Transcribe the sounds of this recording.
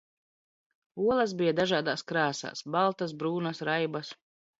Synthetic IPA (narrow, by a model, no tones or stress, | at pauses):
uɔlˠɐs̬bijad̪aʒaːd̪aːskɾaːsa̰ːsbalˠt̪asbɾuːnasɾajbas